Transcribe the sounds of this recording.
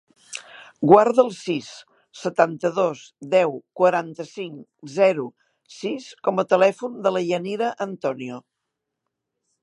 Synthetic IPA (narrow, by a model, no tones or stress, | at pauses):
ɡwaɾðəlˠsisː | ət̪ant̪əðosd̪ɛwkwəɾant̪əsiŋzɛɾu | siskɔmət̪əlɛfund̪ələʎəniɾəʔənt̪ɔnio